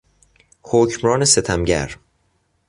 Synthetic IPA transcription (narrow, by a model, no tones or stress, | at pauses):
hoːcʰmɾɒːneset̪ʰæmɟæ̰ɾ